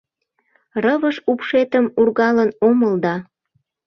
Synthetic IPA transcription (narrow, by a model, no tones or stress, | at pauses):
rəβəʃupʃet̪əmurɣɑlənoməld̪ɑ